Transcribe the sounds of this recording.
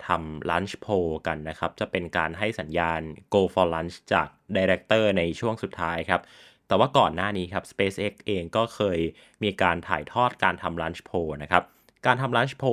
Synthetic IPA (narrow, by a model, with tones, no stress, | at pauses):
t̪ʰa˧mlaː˦˥nɕpʰoː˧ka˧nːa˦˥kʰa˦˥p̚t͡ɕa˨˩pe˧nkaː˧nɦa˥˩jsa˩˦njaː˧nkoː˧fɔː˧laː˦˥nst͡ɕa̰ː˨˩k̚daː˧jɾɛ˦˥k̚t̪ɤː˥˩na˧jt͡ɕʰu˥˩əŋsu˨˩t̪ʰːaː˦˥jkʰa˦˥p̚ | t̪ɛː˨˩waː˥˩kɔː˨˩nːaː˥˩niː˦˥kʰa˦˥p̚speː˦˥sʔe˦˥k̚ʔeː˧ŋkɔː˥˩kʰɤː˧j | miː˧kaː˧nt̪ʰa̰ː˨˩jt̪ʰɔː˥˩t̪̚kaː˧nt̪ʰa˧mlaː˦˥nspʰoː˧na˦˥kʰɾa˦˥p̚ | kaː˧nt̪ʰa˧mlaː˦˥nɕpʰoː˧